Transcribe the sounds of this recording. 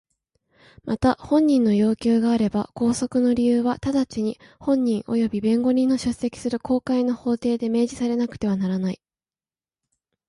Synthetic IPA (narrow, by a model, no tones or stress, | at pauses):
mat̪ahõ̞ɲ̟ːĩnːo̞jo̞ːkʲɨːɡaːɾe̞ba̰ko̞ːso̞kɯ̟no̞ɾʲijɯːβat̪ad̪at͡ɕiɲ̟ihõ̞ɲ̟ːĩɰ̃ʔo̞̰jo̞bʲibẽ̞ŋɡo̞ɲ̟ĩnːo̞ɕɨsːe̞kʲi̥sɨɾɯ̟ko̞ːkaino̞ho̞ːt̪e̞ːd̪e̞me̞ːʑisaɾe̞nakɯ̟̥t̪e̞β̞anaɾanai